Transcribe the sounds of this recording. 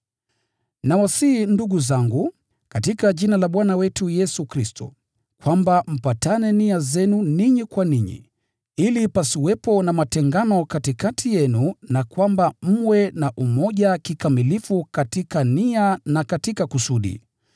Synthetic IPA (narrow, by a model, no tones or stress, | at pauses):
nawasinduɠuzaŋɡu | katikaʄinalaɓwanawɛtujɛsukɾistɔ̰ | kwambam̩patanɛniazɛnuniɲikwaniɲḭ | ilipasiwɛpɔnamatɛŋɡanɔkatikatʰijɛnunakwambam̩wɛnaʔumɔʄakikamilifukatikanianakatikakusuɗḭ